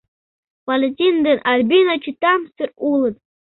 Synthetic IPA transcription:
palʲetʲʼind̪ɨnʔarbʲinat͡ʃʰitʰamstɨrulɨtʼ

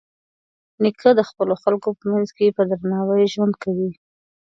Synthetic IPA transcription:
nikʰəd̪əxpəloxalkopəmanzkepəd̪ɾanɑwəjʒwand̪̚kawi

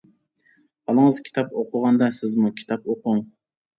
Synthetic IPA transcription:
ɑlˠəŋəzkʲʰi̥t̪ʰɑpoqʰʊʁɑnd̪ɑsɪzmukʲʰi̥t̪ʰɑpoqʊŋ

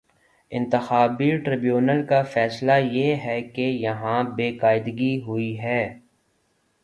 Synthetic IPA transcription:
ɪ̃nt̪ɪxaːbiʈɾɪbjuːnəlkafɛːslajeɦɛkejɐɦãbeːkaːɪd̪ɡiɦʊiɦɛː

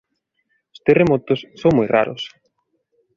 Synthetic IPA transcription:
ʊ̥st̪eremɔt̪ʊsːoŋmɔjra̰ɾʊ̰s

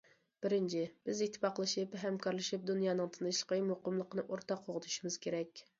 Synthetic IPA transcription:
b̥ɪɾɪnt͡ʃʰɪb̥ɪzit̪ʰːɪ̥pɑqəlˠɨʃipɦɛmkʰɑɾlˠɨʃip̚d̪unjɑːnɨŋt̪ʰɨnɨʃlˠə̥qəmoqʊmlˠəqənɨʔoɾt̪ʰɑqʰːoʁət̪ʰu̥ʃimɪz̥kʲʰeɾɛkʲ

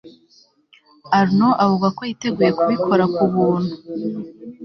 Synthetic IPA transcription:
aɾnoʔavuɡako̞jite̞ɡuːje̞kuβikʰo̞ɾakuβuːn̥hu

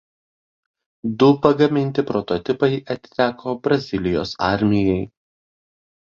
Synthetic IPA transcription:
d̪ʊpɐɡɐmʲɪnʲt̪ʲɪpɾɔt̪ɔt̪ʲɪpɐɪʔɐt̪ʲt̪ʲæːkʰoːbɾɐzʲɪlʲɪjo̰ːsɑˑɾʲmʲɪjɛɪ

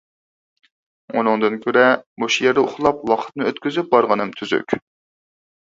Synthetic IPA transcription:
ṵnɨŋd̪ɨnkʲʰøɾɛboʃjɛɾd̪ɛoχlˠɑp̚wɑqʰə̥t̪̚nɨøt̪kʲyzyp̚bɑɾʁənɨmt̪ʰyzy̰kʲʰ

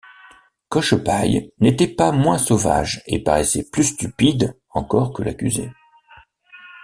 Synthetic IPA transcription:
kɔʃpajnet̪ɛpamwɛ̃sova̰ʒḛpaʁɛsɛplyst̪ypid̪ | ɑ̃kɔʁkəlʔakʲyzḛ

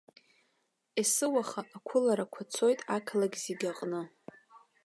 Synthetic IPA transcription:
esɨwaχaʔːkʷʰʊlaɾakʷʰat͡sʰo̞jtʼakʰlaɡʲziɡʲaqʼnɨ

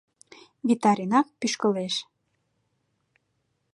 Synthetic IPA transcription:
vit̪ɑɾinɑk̚pyʃkəleʃ

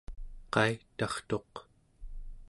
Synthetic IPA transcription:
qɑit̪ɑχt̪o̞q

